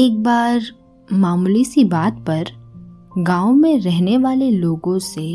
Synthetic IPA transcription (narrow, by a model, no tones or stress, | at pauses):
eːk̚baːɾ | maːmlisibaːt̪̚pɐɾ | ɡãːomẽɾɛɦneʋaːleloːɡõse